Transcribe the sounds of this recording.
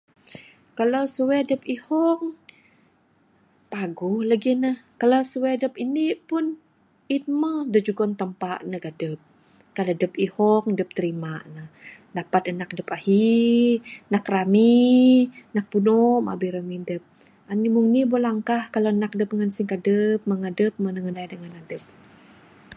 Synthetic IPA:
kalawsuwɛdəpihɔŋ | paɡuhlaɡinəhkalawsuwɛdəp̚inipʊn | it̪̚mədəd͡ʒuɡɔnt̪əmpaʔnəɡadəp̚ | kaladəpihɔŋdəp̚t̪əɾimanəhdapat̪ənak̚dəpahi | nakrami | nak̚punɔma̰biɾəmidəp̚ | animuŋnibolaŋkahkalaənak̚dəp̚əŋansiŋkadəp̚məŋadəp̚mənəŋənaidəŋanadəp̚

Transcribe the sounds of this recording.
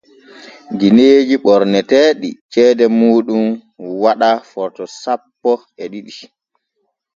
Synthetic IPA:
ɡineːd͡ʒiɓɔɾnɛtɛːɗḭt͡ʃɛːdɛmuːɗumwaɗafɔɾtɔsapːɔ | ɛɗiɗi

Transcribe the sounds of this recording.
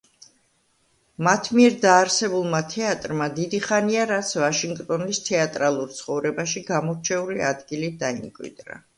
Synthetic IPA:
mat̪ʰmiɛɾd̪aːɾsɛbulˠmat̪ʰɛat̪ʼɾmad̪id̪iχaniaɾat̪sʰvaʃiŋɡkt̪ʼɔnist̪ʰɛat̪ʼɾalˠuɾt̪sʰχɔvɾɛbaʃiɡamɔɾt͡ʃʰɛuliad̪ɡilid̪aimkʼwḭd̪ɾa̰

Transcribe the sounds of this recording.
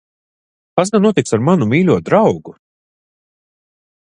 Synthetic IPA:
pasɡanːuɔt̪iksaɾmanumʲiːlʲuɔd̪ɾawɡu

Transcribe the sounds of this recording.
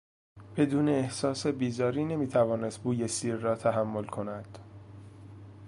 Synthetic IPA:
b̥e̞d̪uːne̞ːhsɒːse̞biːzɒːɾiːne̞miːt̪ʰævɒːne̞st̪̚buːjesiːɾːɒːt̪ʰæɦæmːo̞lkʰo̞næd̪̥

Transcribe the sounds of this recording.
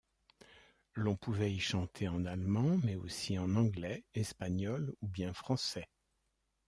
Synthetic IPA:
lɔ̃puvɛiʃɑ̃t̪ʰeɑ̃nalmɑ̃mɛo̰siɑ̃nɑ̃ɡlɛɛspaɲɔlubjɛ̃fχɑ̃sɛ

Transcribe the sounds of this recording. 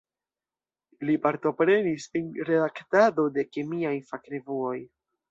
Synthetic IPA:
lipaɾto̞pɾe̞nisinɾe̞daktado̞de̞kemiajfakɾevuo̞j

